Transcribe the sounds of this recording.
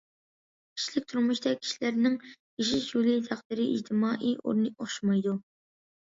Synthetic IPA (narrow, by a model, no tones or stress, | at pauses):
kʲʰi̥ʃlɪk̚ʲt̪ʰuɾmuʃt̪ɑkʲʰi̥ʃilæɾnɪŋ | iʃ̬iʃulˠɨt̪ʰɑχt̪ɨɾɨḭd͡ʒt̪ʰɪmɑːʔiʔo̰ɾnɨoχʃmɑjd̪u